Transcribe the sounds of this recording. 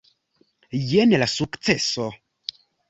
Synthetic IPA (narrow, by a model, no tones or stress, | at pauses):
jenlasukt͡seso